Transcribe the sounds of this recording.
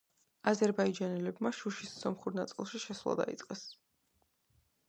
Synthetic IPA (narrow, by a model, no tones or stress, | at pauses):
azɛɾbaid͡ʒanɛlɛbmaʃuʃisːɔmχuɾnat̪sʼilˠʃiʃɛswlˠa̰d̪a̰it̪sʼqʼɛs